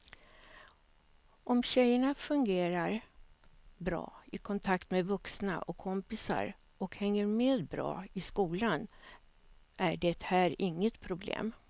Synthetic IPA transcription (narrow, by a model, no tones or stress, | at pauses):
ʔɔmɕɛjːəɳafɵŋɡeːɾaɾ | bɾɑ̰ːɪkʰɔnt̪ʰakt̪mɛvɵksna̰ʔɔkʰːɔmpɪsa̰ɾ | ɔkhɛŋːəɾmeːd̪bɾɑ̰ːɪskuːlan | ʔæɖɛt̪hæːɾɪŋːət̪pʰɾʊblḛːm